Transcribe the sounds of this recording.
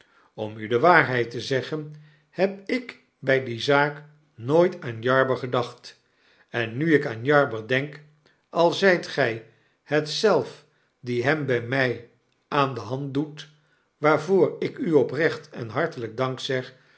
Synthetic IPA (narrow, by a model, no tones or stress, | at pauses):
ɔmydəʋaːɹɦɛjtəzɛχən | hɛp̚ɪk | bɛjdizaːk | noːjtaːnjɑɹbəɹχədɑχt | ɛnːyɪkaːnjɑɹbəɹdɛŋk | ɑlˠzɛjtχɛj | hətsɛlˠf | diɦɛmbɛjmɛj | ʔaːndəɦɑnt̚dut | ʋaːɹvoːɹɪkyɔprɛχtɛ̰nɦɑɹtələɡ̚dɑŋksɛχ